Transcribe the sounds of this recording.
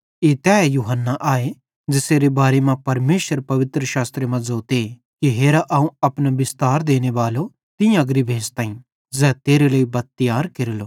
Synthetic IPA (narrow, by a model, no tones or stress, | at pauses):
eːt̪ɛːjuːɦənːaʔaːe | d͡ʒɪseːɾebaːɾemãpɐɾmeːʃəɾpɐʋɪt̪ɾəʃaːst̪ɾemãd͡zoːt̪e | kiɦeːɾaʔɐːũɐpnabɪst̪aːɾd̪eːñeʋaːlo | t̪ɪjãɡɾibʱeːst̪aːĩ | zɛːt̪eːɾeləːibɐd̪̚t̪ːɪjaːɾkeɾloː